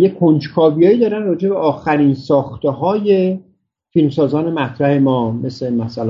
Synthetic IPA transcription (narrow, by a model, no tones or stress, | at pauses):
jekʰond͡ʒkʰɒːbijɒːiːd̪ɒːɾænrɒːd͡ʒe̞beʔɒːxæɾiːnsɒːxt̪eɦɒːje | filmsɒːzɒːne̞mæt̪ʰɾæhe̞mɒːme̞semæsæl